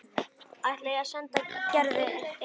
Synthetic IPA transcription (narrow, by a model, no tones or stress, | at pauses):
aleːjɣasɛnt̪acɛɾðɪ